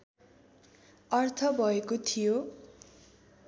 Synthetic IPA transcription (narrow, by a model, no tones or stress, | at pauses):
ʌrt̪ʰʌbʱʌekot̪ʰijo